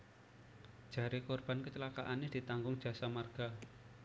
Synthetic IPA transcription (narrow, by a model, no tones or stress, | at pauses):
d̥ʒ̥a̤ɾekɔrb̥a̤nkət͡ʃəlaka̰ʔanɪd̪̥i̤t̪aŋɡʊŋd̥ʒ̥ä̤samarɡ̥a